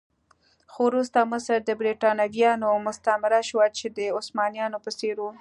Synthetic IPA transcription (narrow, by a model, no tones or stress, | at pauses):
xowɾust̪aməsəɾd̪əbɾiʈɑnaɡjɑnomʊst̪amɪɾaʃwat͡ʃed̪əʊsmɑnijɑnopəseɾwu